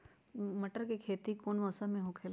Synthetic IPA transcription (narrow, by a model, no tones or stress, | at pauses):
mɐʈəɾkikʰeːt̪ikoːnʋɔːsamẽɦoːkʰeːl